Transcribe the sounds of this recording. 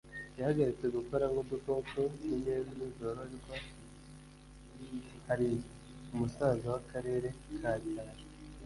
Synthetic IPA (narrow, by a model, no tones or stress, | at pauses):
jahaɡaɾit͡se̞ɡuko̞ɾaŋɡobokoːkoniɲemmizo̞ɾoaɾiko | haɾi | umusaːzowakʰaɾe̞ːɾe̞kʰaːdihaɾi